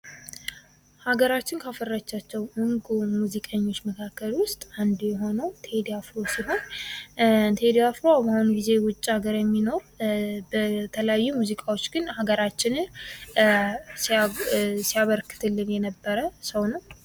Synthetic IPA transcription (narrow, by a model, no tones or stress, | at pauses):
haɡəɾat͡ʃːɪnkʰafərːat͡ʃːat͡ʃːɛwmuŋɡumuzikʼəɲːo̞t͡ʃːməkʰakːəlwʊst̪ʼand̪jɛɦo̞nəwt̪ʰeed̪ijafɾo̞siɦo̞n | t̪ʰeed̪ijafɾobahunɡize̞wʊt͡ʃʼːiaɡəɾjɛmːino̞ɾ | bət̪ʰələjajːumuzikʼawo̞t͡ʃːɡɨnhaɡəɾat͡ʃːɪnɨ | s | sijaβəɾkːɨ̥t̪ʰɨlːɨnjɛnəbːəɾəsəwnəw